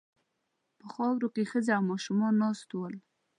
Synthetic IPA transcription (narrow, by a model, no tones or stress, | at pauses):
pəxɑwɾokexəzeawmɑʃumɑnːɑst̪wəl